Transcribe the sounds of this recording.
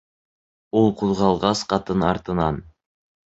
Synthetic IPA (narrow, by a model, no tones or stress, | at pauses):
ulˠquðʁɑlˠʁɑsqɑt̪ɤnɑɾt̪ɤ̆nɑ̰n